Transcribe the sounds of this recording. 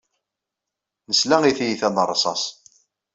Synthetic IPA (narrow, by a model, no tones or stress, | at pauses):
nəslæŋiθijiθænərˤːsˤɑ̰s